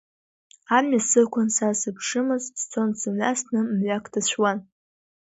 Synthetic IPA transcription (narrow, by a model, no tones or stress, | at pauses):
amɥasɨkʷʰʊnsasɨpʰʂɨmɨzdt͡sʰonsɨmɥa̰snɨmɥakʰdʰaɕʷᶣwan